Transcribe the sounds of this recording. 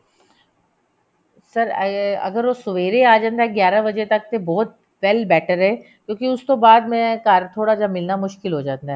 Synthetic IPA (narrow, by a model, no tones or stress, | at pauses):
sɐɾɐ̰ɡəɾʋosʊʋeːɾeaːd͡ʒãːnd̪aɦɛɡjaːɾabɐd͡ʒet̪ɐk̚t̪ebɔːt̪̚ | ʋɛlbɛːʈʰəɾɦɛ | kjõːkiʊst̪obaːd̪mɛ̃kaːɾt̪ʰoːɽad͡ʒamɪlnamʊʃkɪlɦoːd͡ʒaːnd̪aɦɛː